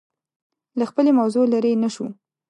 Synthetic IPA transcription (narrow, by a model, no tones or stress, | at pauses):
laxpəlemawzolaɾenaʃu